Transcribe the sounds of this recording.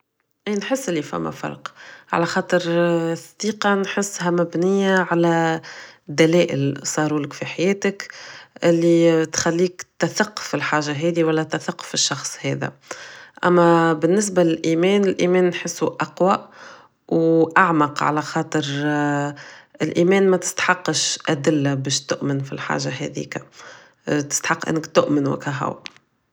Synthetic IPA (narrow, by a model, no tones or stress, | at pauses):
ʔiːnħɪsːʔɪlːifæ̰mːæ̰fɑ̰ɾˤqʕa̰læxɑːt̪ˤəɾsˤd̪̥iːqɑnħɪsːɦæmæbnɪjːaʕalæ | d̪ːælɛːʔɪ̰lsˤɑːɾuːləkfiħajɛːt̪əkʔɪlːit̪xalːiːkt̪ːaθaqːfɪlħaːʒːaɦɛːðiwælːæt̪ːæθaqːfɪʃːɑxsˤhɛ̰ːðæ̰ʔæ̰mːæbɪnːɪs̬balɪlʔiːmɛːnɪlʔiːmɛːnːħɪsːuʔɑqwa | wʔaʕmɑqʕa̰læxɑːt̪ˤɨɾ | ɪlʔiːmɛːnmæt̪ɪ̥st̪ħɑqːəʃʔæd̪ɪlːabɛːʃt̪ʊʔmɪnfḭlħa̰ːʒahɛ̰ðḭːka | t̪ɪ̥st̪ħɑqːʔɪ̰nːɪkt̪ʊʔmənwɪ̰kæɦʊ̰w